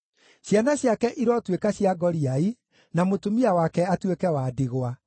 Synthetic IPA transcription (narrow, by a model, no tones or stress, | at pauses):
ɕjanaɕjakɛʔiɾɔtwekaɕiaɡɔɾiai | namotomiawakɛatwekɛwaːdiɣwa